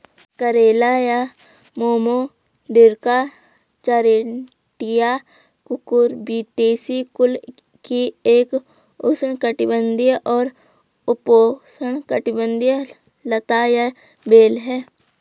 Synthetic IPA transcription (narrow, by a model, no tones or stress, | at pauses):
kəɾeːlaja | moːmo | d̪ɪɾka | t͡ʃəɾe | ʈija | kʊkʊɾbiːʈeːsikʊl | kieːk | osəɳkəʈɪbə̃nd̪ijʔɔːɾ | ʊposəɳkəʈɪbə̃nd̪jə | lət̪aja | beːlɦɛː